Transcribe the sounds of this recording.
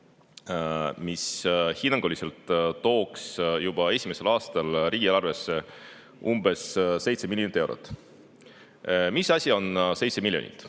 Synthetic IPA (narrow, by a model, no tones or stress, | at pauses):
mishinːɑŋɡ̥olise̞lt̪ːo̞ːksjub̥ɑe̞sʲime̞se̞lɑːst̪ɑlriːɡ̥ilɑrve̞sːe̞ | ʔumbe̞sːe̞jt̪se̞milʲːjonit̪ːˑe̞wɾo̰t̪ːˑ | misɑsʲio̞nse̞jt̪se̞milʲːjo̰nḭt̪ːˑ